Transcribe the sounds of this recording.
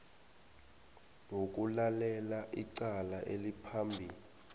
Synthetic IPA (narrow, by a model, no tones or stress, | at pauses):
ŋok̬ulalɛlaʔiǀalaʔelipʰambʱiːli